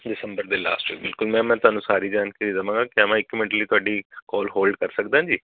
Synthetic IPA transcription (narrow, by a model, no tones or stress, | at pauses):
ɖɪsə̃mbəɾd̪eːla̰ːsʈʋḭːk̚bɪlkʊlmɛ̃ːmɛ̃ːt̪ʊaːnũːsaːɾiːd͡ʒaːnkəɾiːd̪əʋãːɡaːkɪəmãːɪkːmɛ̃ɳʈəliːt̪ʊaːɖiːkɔːlɦoːlɖkəɾsək̚d̪ããːd͡ʒiː